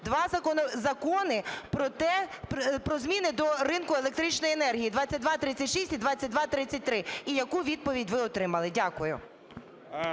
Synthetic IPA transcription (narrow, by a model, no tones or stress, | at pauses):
d̪ʋɑzɐkɔnɔzɐkɔnɪpɾɔt̪ɛpɾɔzmʲinɪd̪ɔɾɪnkʊelˠek̚t̪ɾit͡ʃnɔjenɛrɦʲijid̪ʋat͡sʲːɐt̚ʲd̪ʋɑt̪ɾɪt͡sʲːɐtʲʃisʲtʲid̪ʋat͡sʲːɐt̚ʲd̪ʋɑt̪ɾɪt͡sʲɐt̚ʲt̪ɾɪijɐkuʋʲid̪̚pɔʋʲidʲʋɪɔt̪ɾɪmɐlˠɪdʲakʊjʊ̰